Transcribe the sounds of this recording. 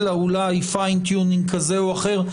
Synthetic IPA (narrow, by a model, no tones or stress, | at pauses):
laulajfajnt̪junĩŋɡkazeoaχe̞ʁ